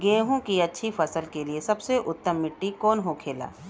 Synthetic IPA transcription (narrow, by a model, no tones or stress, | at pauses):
ɡẽːɦõkiɐtːʃʰifɐsəlkeliesɐbseʔʊt̪ːəmːɪʈːikɔːnɦokʰeːla̰ː